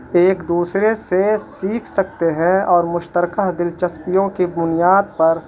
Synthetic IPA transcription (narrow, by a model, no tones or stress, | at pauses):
eːkd̪uːsɾesesiːkʰsɐk̚t̪eɦɛ̃ɔːɾmʊʃt̪əɾkaɦd̪ɪlt͡ʃɐspijõkibʊnijaːd̪̚pɐɾ